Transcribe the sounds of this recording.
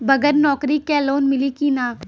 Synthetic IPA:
bɐɡəɾnɔːkɾikɛloːnmɪlikinaː

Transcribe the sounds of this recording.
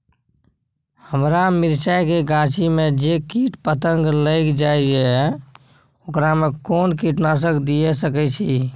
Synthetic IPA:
həmɾamiɾt͡ʃajkeɡãt͡ʃimed͡ʒekiʈpət̪əŋɡləkd͡ʒajd͡ʒɛ | okɾamekonkiʈnas̬əkd̪ijesəkɛt͡ʃʰi

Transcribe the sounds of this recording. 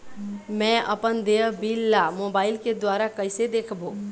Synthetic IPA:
mɛ̃ə̰pənd̪eːbiːlːamoːbaːɪlked̪waːɾakəɪsed̪eːkʰboː

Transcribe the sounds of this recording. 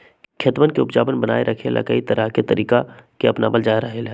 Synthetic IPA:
kʰet̪ʋənkeʊpd͡ʒaːbənbəna̰ːeɾʔɐkʰelʔa̰kait̪ɐɾʔəɦket̪ɐɾʔiːkakeɐpnabəld͡ʒaːeɾɐɦelɛː

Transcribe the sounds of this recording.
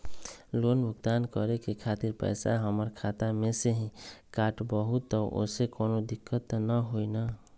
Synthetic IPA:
lonbʱʊɡt̪ankəɾekekʰat̪iɾpə̰ɪsa̰ɦəməɾkʰat̪ameseɦĩkaʈbəɦut̪ːəʔo̰sekonod̪ikːət̪nəɦoina

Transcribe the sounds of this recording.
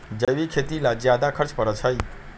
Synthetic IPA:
d͡ʒəjwikʰet̪ilad͡ʒjad̪akʰəɾt͡ʃpəɾət͡ʃʰəj

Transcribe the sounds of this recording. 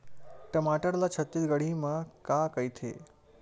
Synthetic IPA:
ʈəmaʈəɾlat͡ɕʰət̪ːit̪ɡəɽ̤iməkakəjt̪ʰḛ

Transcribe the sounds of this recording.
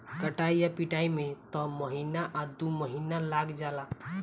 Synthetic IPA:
kəʈaijapiʈaimet̪ɔməɦinaʔad̪uməɦinalaɡd͡ʒala

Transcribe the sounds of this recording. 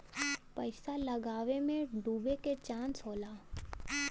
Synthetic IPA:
pɐɪsalɐɡaːʋemẽɖuːbeket͡ʃãːnsɦoːlaː

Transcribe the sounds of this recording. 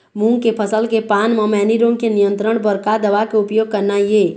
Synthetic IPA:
mũŋkepʰəsəlkepaːnməmɛːniɾõŋkenijə̃nt̪ɾəɽ̃bəɾkad̪əʋakeʊpjoːɡ̚kəɾnaje

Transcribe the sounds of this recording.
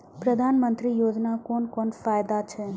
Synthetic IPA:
pɾəd̪ʱanmənt̪ɾijod͡ʒnakɔnkɔnfajd̪at͡ʃʰe

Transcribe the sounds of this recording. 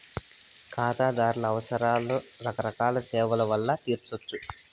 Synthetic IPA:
kʰaːt̪aːd̪aːɾulɐːʋɐsɐɾaːloɾɐkɐɾɐkaːlɐsɛːʋɐlɐʋɐlːɐt̪iːɾt͡ʃot͡ʃːu

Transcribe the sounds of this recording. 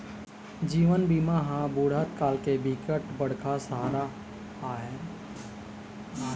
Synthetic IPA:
d͡ʒiːʋənbiːmaɦãbuːɽ̤at̪̚kaːlkebʱikəʈbəɽ̤kʰasəɦaːɾa | aːɦɛː

